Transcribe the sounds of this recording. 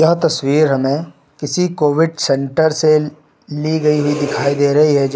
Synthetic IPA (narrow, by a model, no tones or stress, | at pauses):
jɐɦt̪ɐswiːɾɦɐmẽ | kɪsikoːʋɪɖsɛ̃ɳʈəɾse | liɡɐiɦʊid̪ɪkʰaːid̪eːɾɐɦiɦɛd͡ʒ